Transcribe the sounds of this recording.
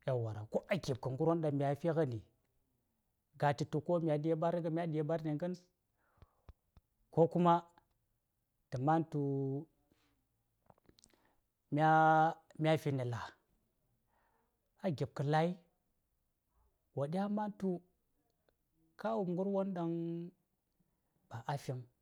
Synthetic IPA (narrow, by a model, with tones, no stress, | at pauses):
ja˨wa˨ɾa̰˨ko˦ʔa˦ɡe˨b̚kə˨ŋɡu˦ɾwo˦nɗa˨ŋmi˨ja˨fi˦ɣa˦ni˨ | ɡa˨ti˨tu˨ko˦mʲ˨a˨de˦ba˦ɾɡmʲ˦a˦de˨ba˦ɾni˨ŋɡə˦n˦ | ko˦ku˦ma˦ | tə˨ma˦ntu˨ | mʲa˦ | mʲ˦a˦fi˨ni˨la˨ | a˨ɡʲi˨b̚kə˨la˦i˦ | wa˨ɗi˦ja˦ma˦ntu˦ | ka˦wu˨ŋɡu˦ɾwo˦nda˦ŋ | b̥a˨ʔa˦fi˦m